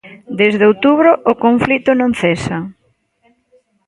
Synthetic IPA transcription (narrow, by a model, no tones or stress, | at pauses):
d̪ezðeowt̪uβɾʊʔʊkoɱflit̪ʊnõŋ̟θesɐ